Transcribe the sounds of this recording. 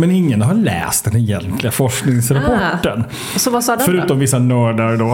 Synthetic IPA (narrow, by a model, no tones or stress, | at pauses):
mɛnɪŋːənɦaɾɭɛ̰ːst̪̚d̪ɛnɛjɛ̰nt̪lɪɡafɔʂknɪŋsɾapɔːən | sɔvasːffœɾʉ̟ːt̪ɔmvɪsːanœːɖaɾɖoː